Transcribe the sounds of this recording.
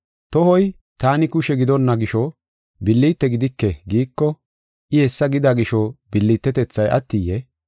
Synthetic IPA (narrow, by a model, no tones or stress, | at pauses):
t̪ɔhɔj | t̪aːnɪkʊʃɛɡɪd̪ɔnːɐɡɪʃɔ | bɪlːit̪ːɛɡɪd̪ɪkːɛɡiːkːɔ | ʔɪhɛsːɐɡɪd̪aɡɪʃɔbɪlːiːt̪ːɛt̪ɛt͡sːɐjʔɐ̰t̪ːijːɛ